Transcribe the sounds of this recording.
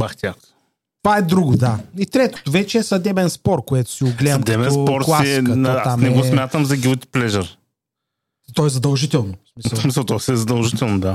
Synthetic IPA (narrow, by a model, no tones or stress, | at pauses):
baxt̪ʲakt̪ | t̪ovaɛd̪ɾuɡod̪ait̪ɾɛt̪o̥t̪ʊvɛt͡ʃɛɛsɐd̪ɛbɛnspɔɾ̚koɛt̪ʊ̥siʊɡlɛɐmd̪ɛbɛspɔɾtklˠasɛkətnɔat̪asmnɛɡosmʲjat̪əmzɐɡʲulˠt̪ʲi̥plɛʒəɾ | t̪ɔɛzɐd̪ɐlˠʒit̪ɛlˠnosmissmisɐlˠt̪ɔsɛɛzɐd̪ɐlˠʒit̪ɛlˠnod̪a